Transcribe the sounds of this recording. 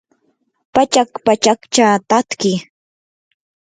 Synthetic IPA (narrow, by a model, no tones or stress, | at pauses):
pat͡ʃakpat͡ʃakt͡ʃat̪at̪kɪ